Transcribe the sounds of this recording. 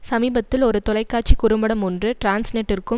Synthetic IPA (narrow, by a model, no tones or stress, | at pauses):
sɐmiːbɐt̪ːɪlɔɾɯt̪ɔlɐɪkːaːt͡ʃikʊɾɯmbɐɽɐmɔndrɯʈɾaːnsneʈːɪrkɯ